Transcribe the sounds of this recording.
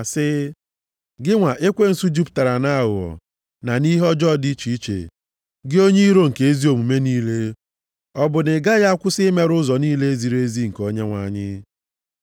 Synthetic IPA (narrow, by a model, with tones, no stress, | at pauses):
a˨sɪ˦ | ɡɪ˦ŋʷa˨ʔe˦kʷe˦n̩˨su˦d͡ʒu˦pta˨ɾa˨na˦ɣʊ˨ɔ̰˨ | na˨ni˦ɦɔ˦d͡ʒɔ˦˨di˦t͡ʃi˨i˦t͡ʃḛ˨ | ɡɪ˦o˦ɲe˦i˦ɾo˦ŋ̩˨ke˨e˦zi˦o˨mu˨me˦niː˦le˦ | ɔ˦bʊ˨nɪ˨ɡa˦ɣa˦kʷʊ˦sɪ˦me˦ɾʊ˦zɔ˨niː˦le˦e˦zi˨ɾe˦zi˦ŋ̩˨ko˦ɲe˦ŋʷa˨ɲɪ˦